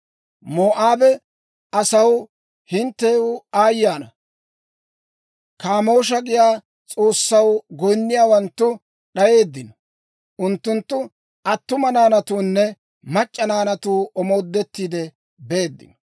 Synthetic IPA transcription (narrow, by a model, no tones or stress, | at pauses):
moːʔaːbɛ | ɐsɐw | hɪnt̪ːeːʊaːjːaːnɐ | kaːmo̞ːʃ̬ɐɡɪjaː | t͡sʼo̞ːsːɐwɡɔjnːɪjaːwɐnt̪ːʊ | ɗɐje̞ːd̪ːɪnɔ | ʔʊnt̪ːʊnt̪ːʊ | ɐt̪ːʊmɐnaːnɐt̪uːnːɛ | mɐt͡ʃʼːɐnaːnɐt̪uːʔɔmo̞ːd̪ːɛt̪ːiːd̪ɛ | beːd̪ːɪ̰nɔ̥